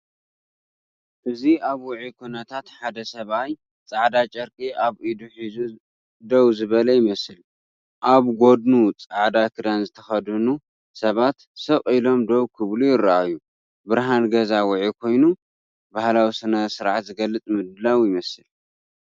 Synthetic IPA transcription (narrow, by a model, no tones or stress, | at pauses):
ʔɨziaβwʊʕikʰunɐt̪ʰat̪ħad̪ɐsɐβaj | t͡sʼaʕd̪at͡ʃʼɐɾkʼiʔaβʔid̪uħizu | d̪owzɨβɐlɐjɪmɐsɨl | ʔaβɡo̞d̪nut͡sʼaʕd̪akʰɨd̪anzɨt̪ʰɐxɐd̪ɨnu | sɐβat̪sɐkʼilo̞md̪owkʰɨβlujɪɾaʔajːu | bɨɾɦanɡɐzawʊʕikʰo̞jnu | bahlawisɨnɐsɨɾʕat̪zɨɡɐlːɨt͡sʼmɨd̪ɨlawjɪmɐsɨl